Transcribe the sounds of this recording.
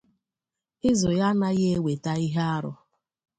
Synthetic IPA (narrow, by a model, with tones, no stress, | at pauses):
ɪ˦zʊ˨ja˦na˦ɣe˦e˦we˨ta˦i˦ɦa˦ɾʊ̰˦